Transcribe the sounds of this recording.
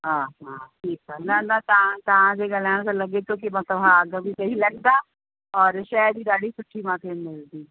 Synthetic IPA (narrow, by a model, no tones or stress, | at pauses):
ɦaːɦaʈʰiːkanɐnɐt̪ɐãt̪ɐʋ̤ãd͡ʑeːɠaːl̤aːɪɽ̃sãlɐɠet̪ʰokimãt̪ɐʋãɡəbisɐɦilɐɠd̪a | ɔːɾʃɛd̪iːɗaːɗisʊʈʰimãːk̪ʰemɪld̪iː